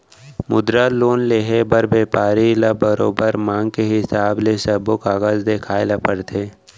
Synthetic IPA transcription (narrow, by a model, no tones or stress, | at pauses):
mʊd̪ɾaloːnleːɦebəɾbeːpaːɾilabəɾo̰ːbəɾmãːŋɡkeɦɪsaːblesɐbokaːɣaːzd̪eːkʰaːelapəɾt̪ʰeː